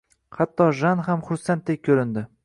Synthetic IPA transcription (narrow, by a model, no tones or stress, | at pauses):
hat̪ʰːɒʒanhamχʊɾsant̪̚d̪ek̚ʲkʲʰɵɾɪnd̪ɪ